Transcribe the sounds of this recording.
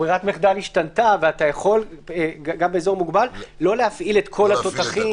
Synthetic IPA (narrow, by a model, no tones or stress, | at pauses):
bʁiʁat̪meχd̪aliʃtant̪aveatajaχo̞leɡɡambeeːzo̞ʁmuɡbalːo̞lehafʔile̞t̪kʰo̞lato̞taχi